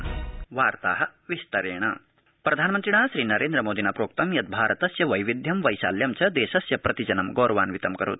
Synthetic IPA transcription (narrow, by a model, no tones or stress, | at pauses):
ʋaːɾt̪a̰ːɦɐ̆ʋist̪ɐɾeːɳ̃ɐ̰ | pɾɐd̪ʱaːnɐmɐnt̪ɾiɳaːʃɾiːnɐɾeːnd̪ɾɐmoːd̪ʱinaːpɾoːk̚t̪ɐmjɐt̪̚bʱaːɾɐt̪ɐsjɐʋɐjʋid̪ʱjɐmʋɐjʃa̰ːljɐmt͡ʃɐd̪eːʃɐsjɐpɾɐt̪id͡ʒɐnɐmɡoːɾɐʋaːnʋit̪ɐmkɐɾṵt̪̚